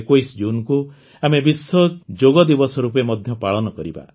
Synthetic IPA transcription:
kojsd͡ʒunku | amebisːɔd͡ʒoɡɔd̪ibɔsɔɾupemɔd̪ʱjɔpaɭɔnɔkɔɾiba̰

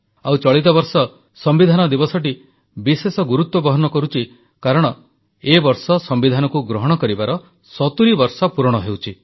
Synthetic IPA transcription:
awt͡ʃɔɭit̪̬ɔbɔɾsɔ | sɔmbid̪ʱanɔd̪ibɔsɔʈi | bisesɔɡuɾut̪wɔbɔɦɔnɔkɔɾut͡ʃʰi | kaɾɔɽ̃ɔ | ebɔɾsɔsɔmbid̪ʱanɔkuɡɾɔɦɔɽ̃ɔkɔɾibaɾɔ | sɔt̪uɾibɔɾsɔpuɾɔɽ̃ɔɦewt͡ʃʰi

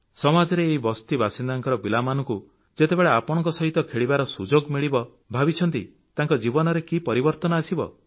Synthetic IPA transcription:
sɔmad͡ʒɔɾeːɦibɔst̪ibʱasind̪aŋkɔɾɔbilamanɔ̃ŋku | d͡ʒet̪ebeɭeapɔɽ̃ɔŋkɔsɔɦit̪ɔkʰeɭibaɾɔsud͡ʒoɡmiɭibɔ | bʱabit͡ʃʰɔnt̪i | t̪aŋkɔd͡ʒibɔnɔɾekipɔɾibɔɾt̪ɔnɔasibɔ̰

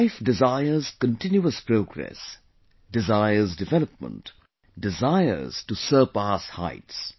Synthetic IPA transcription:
ɪfdɪzaɪəz̥kə̃ntɪ̃njuəspɾoːɡɾɛ̰s | dɪzaɪəzdɪvɛləp̚mə̰̃nt | dɪzaɪə̰ɾz̥tusəːpasha̰ɪts

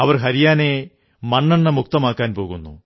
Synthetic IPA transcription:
ɐʋɐrɦɐɾijaːne̞ | mɐɳːɐɳːɐmuk̚t̪ɐmaːkːaːnpo̞ːɣunːṵ

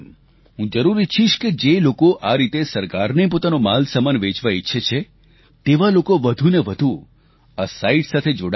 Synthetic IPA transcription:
ɦũd͡ʒəɾuɾit͡ʃʰiʃked͡ʒelokoʔaɾit̪esəɾkaɾnepot̪anomalsəmanʋet͡ʃʋaiʃʰet͡ʃʰe | t̪eʋalokoʋəd̪ʱuneʋəd̪ʱũ | asaiʈsat̪ʰed͡ʒoɽ

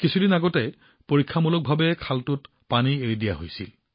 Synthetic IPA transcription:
kisʰudinaɡɔtɛ | poɹikʰːamulɔk̚bʱabɛkʰaltʊt | panieɹidijaɦojsḭl

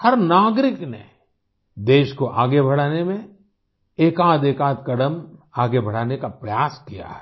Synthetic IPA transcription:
hɐɾnaːɡɾɪknḛ | d̪eːʃkoʔaːɡebʱɐɽ̤aːnemẽ | eːkaːd̪eːkaːd̪̚kɐɽəmaːɡebʱɐɽ̤aːnekapɾɐjaːskija̰ɦɛ̥

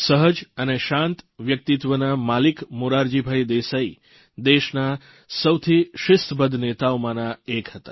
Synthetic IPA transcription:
səɦəd͡ʒəneʃãnt̪ʋjək̚t̪it̪ʋənamalikmoɾaɾd͡ʒibʱajd̪esai | d̪eʃna | səwt̪ʰiʃɪst̪ʰbəd̪ʱnet̪aomãnaekɦət̪a̰

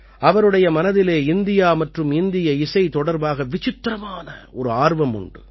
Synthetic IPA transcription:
ɐʋɐɾɯɽɐjɐmɐnɐðɪleːɪnd̪ɪjaːmɐʈrɯmɪnd̪ɪjɐɪsɐɪt̪ɔɽɐɾbaːɣɐʋɪt͡ʃɪt̪ːɾɐmaːnɐɔɾɯaːɾʋɐmʊ̰ɳɖɯ̰

